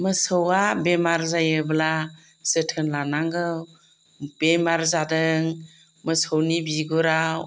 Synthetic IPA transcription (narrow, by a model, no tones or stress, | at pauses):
məsəwabemaɾzajɯbla | sɯtʰɯnlanaŋɡɯw | b̥emaɾzadɯŋ | məsəwnibiɡuɾaw